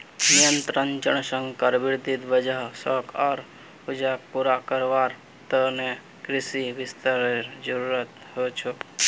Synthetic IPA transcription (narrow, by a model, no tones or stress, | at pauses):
nijənt̪ɾənd͡ʒəɳ̃sə̃ŋɡkəɾʋɪɾd̪id̪ʋəd͡ʒaɦsəkʰɔɾ | ʊd͡ʒapuɾakəɾʋaːɾ | t̪əne | kɾɪsiʋɪst̪əɾɾd͡ʒəɾuɾət̪ | ɦot͡ʃʰu